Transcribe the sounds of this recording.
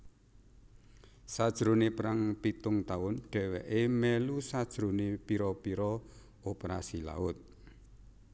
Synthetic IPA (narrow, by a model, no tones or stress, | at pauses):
sad̥ʒ̥ɾonepɾaŋpit̪ʊŋt̪aʊnɖ̥ɛ̤wɛʔemɛlusad̥ʒ̥ɾo̤nepiɾɔpiɾɔ | opeɾasila̰ʊt̪̚